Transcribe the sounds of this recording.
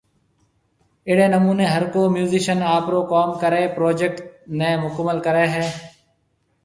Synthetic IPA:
ɪɽeːnəmuːneːɦəɾkoːmjuːzɪʃənaːpɾoːkɔːmkəɾeːpɾoːd͡ʒek̚ʈ̚neːmʊkəmːəlkəɾeːɦɛː

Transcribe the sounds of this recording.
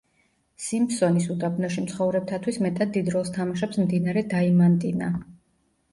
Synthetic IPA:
simpsɔnisud̪ʼabʰnɔʃimt̪sχɔvɾɛp̚t̪ʰat̪ʰwismɛt̪ʰad̪ːid̪ɾɔst̪ʰamaʃɛpsmd̪inaɾɛd̪aimant̪ʼina

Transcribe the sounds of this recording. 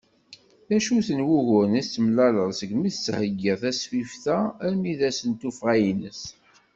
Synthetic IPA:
θæʃuθənwuʝʊɾnæt͡sːəmlæləʁˤsəɡmiθshəɡːiʁθæsfifθææɾmiðæsənt̪ufʁæjinəs

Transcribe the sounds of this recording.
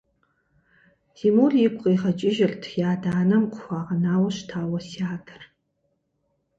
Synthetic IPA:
ziːmoːɮjɪkʷqʼeːʁɐt͡ʃʼɪʒɪrtʰjaːdaːnɐmqʷʊxʷaːʁɐnaːwɐɕtʰaːwɐsiaːtʰɨ̥r

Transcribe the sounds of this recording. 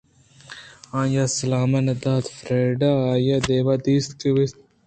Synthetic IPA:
ãːjasɐlaːmɐnɐd̪aːt̪fɾeːɖaːjad̪eːwad̪iːst̪kiwist̪̚

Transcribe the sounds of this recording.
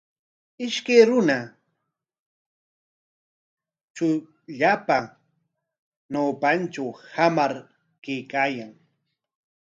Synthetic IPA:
ɪʃkejɾʊna | t͡ʃʊ | ʎapa | nawpant͡ʃawhamaɾ | kejkaːjaŋ

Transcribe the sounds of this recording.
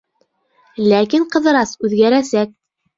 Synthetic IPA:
lækiɴqɤ̆ðɤ̆ɾɑsʉðɡæɾæsæk̚

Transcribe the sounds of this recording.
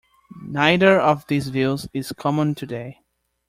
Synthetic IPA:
naɪðə˞ʌvðizvilˠzɪz̥kʰɑmə̃ntʰɨdeɪ

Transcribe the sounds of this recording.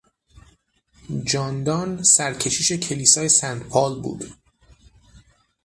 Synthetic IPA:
d͡ʒɒːnd̪ɒːnsæɾcʰe̞ʃiːʃe̞cʰe̞liːsɒːje̞sænd̪pʰɒːlbṵːd̪

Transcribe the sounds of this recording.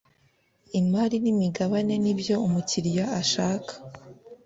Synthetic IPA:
imaːɾinimiɡaβane̞nibjo̞umuciɾijaaʃaːkʰḁ

